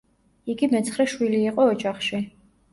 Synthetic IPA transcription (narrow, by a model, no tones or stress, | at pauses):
iɡimɛt̪sʰχɾɛʃwiliːqʼɔːd͡ʒaχʃi